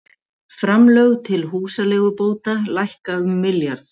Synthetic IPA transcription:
fɾamlœɣt̪ʰɪlɦuːsalɛːɣʏpoːwt̪alajhkaʏmːɪljaɾθ

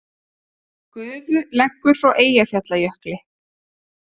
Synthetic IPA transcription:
kʏðvʏlɛkːʏɾ̥fawʔeːjaθjat̪lajœhklɪ

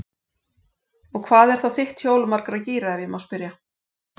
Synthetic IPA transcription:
ɔɣkʰvaːðɛɾ̥θawθɪht̪çjoːwlmaɾkɾaðciːɾaɛvjɪmawspɪɾja

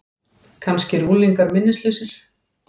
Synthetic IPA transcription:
kʰanscɪɾuːliŋkaɾmɪnːɪslɪsɪɾ̥

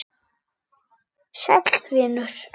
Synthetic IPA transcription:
ʃɛt̪lvɪːnʏɾ̥

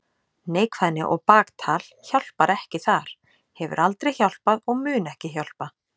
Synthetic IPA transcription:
neːjkvaðnːɪʔɔɣpaːkt̪ʰaːlçawl̥paɾɛhcɪθaɾ̥ | hɛvʏ̰ɾʔalt̪ɾejçawl̥paðɔɣmʏːnɛhcɪçjawl̥pa

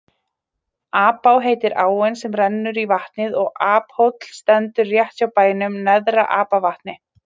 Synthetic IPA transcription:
aːpawɦeːjt̪ɪɾʔaːwɛnsɛmrɛnːʏɾivaht̪nɪðɔɣaːphowt̪l̥st̪ɛnt̪ʏɾːjɛht̪sawpaːjnʏmnɛðɾaʔaːpavaht̪nɪ

